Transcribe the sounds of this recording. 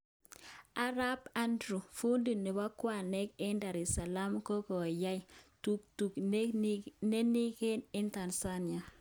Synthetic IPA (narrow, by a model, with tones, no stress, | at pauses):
a˦ɾa˦ba˦ndɾu˨fu˦ndi˨nɪ˨ba˦kwa˨nɛ˦kɪ˦nda˨ɾɪ˨sa˨la˦mko˦ko˨ja˦jtu˦ktu˨kne˦ni˦kɪ˦nɪ˦nta˨nsa˦ni˨a˨